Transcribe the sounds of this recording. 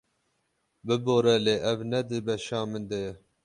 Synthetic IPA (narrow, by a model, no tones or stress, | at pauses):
bɨboːɾɛleːʔɛvnɛd̪ɨbɛʃɑːmɨnd̪ɛjɛ